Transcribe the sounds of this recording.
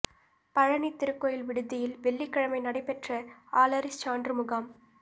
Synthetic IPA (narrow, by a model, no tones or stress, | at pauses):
pɐɻɐnit̪ːɪɾɯkːoːjɪlʋɪɽɯðɪjɪlʋɛɭːikːɐɻɐmɐɪnɐɽɐɪpɛʈrɐaːlɐɾɪst͡ʃaːndɾɯmʊɣaːm